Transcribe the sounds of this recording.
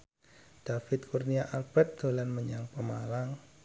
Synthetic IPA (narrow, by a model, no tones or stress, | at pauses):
d̥afɪt̪̚kurniaʔalb̥ɛt̪̚d̪̥o̤lanməɲaŋpəmalaŋ